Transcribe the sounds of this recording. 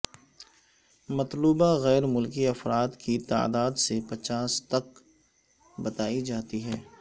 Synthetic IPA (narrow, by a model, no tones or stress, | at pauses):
mɐt̪luːbaɣɛːɾmʊlkiɐfɾaːd̪kit̪a̰ːd̪aːd̪sepɐt͡ʃaːst̪ɐk | bɐt̪aːid͡ʒaːt̪iɦɛː